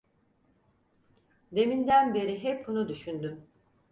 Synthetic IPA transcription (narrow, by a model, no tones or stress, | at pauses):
d̪e̞mind̪ænbe̞ɾiɦɛp̚bunud̪yʃynd̪ym